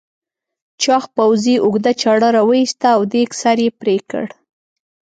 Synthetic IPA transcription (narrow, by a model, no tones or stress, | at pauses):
t͡ʃɑxpawziʔʊɡd̪at͡ʃɑɽaɾawəist̪aːwd̪eksaɾjepɾekə̰ɽ